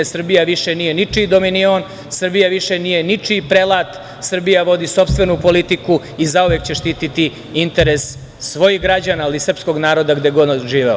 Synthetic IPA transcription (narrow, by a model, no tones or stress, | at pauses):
esr̩bijaʋiʃenije̞nit͡ʂid̪o̞minion | sr̩bijaʋiʃenije̞nit͡ʂipɾelaːt̪ | sr̩bijaʋo̞d̪iso̞pst̪ʋe̞nupo̞lit̪iku | izauʋekt͡ɕe̞ʃt̪iːt̪it̪i | int̪e̞ɾesː | sʋo̞jiɣɡɾad͡ʑanaːlisr̩psko̞ɡnaːɾo̞d̪aɡd̪eɡod̪ʒiːʋeo